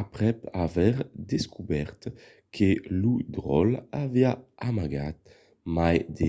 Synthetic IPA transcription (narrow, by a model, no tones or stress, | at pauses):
apʁɛpavɛʁd̪eskubɛʁt̪ | kʰelud̪ʁɔlaviaamaɡat̪̚ | majd̪e